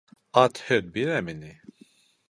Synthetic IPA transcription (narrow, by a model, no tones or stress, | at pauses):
ɑt̪ʰhed̪̚biɾɛmini